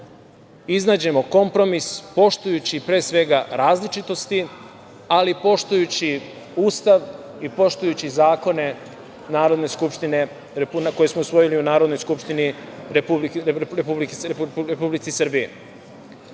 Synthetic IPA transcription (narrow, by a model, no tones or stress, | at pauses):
iznaːd͡ʑe̞mo̞ko̞mpɾo̞mispo̞ʃt̪ujut͡ɕipɾe̞ːsʋe̞ɡaɾaːzlit͡ʃit̪o̞st̪i | alipo̞ʃt̪ujut͡ɕi | uːst̪aʋ | ipo̞ʃt̪ujut͡ɕizaːko̞ne̞ | naːɾo̞d̪ne̞skupʃt̪ine̞ | ɾepunako̞jesmousʋo̞jiliunaːɾod̪no̞jskupʃt̪iniɾepubiɾepublikɾepublit̪sisr̩bijḛ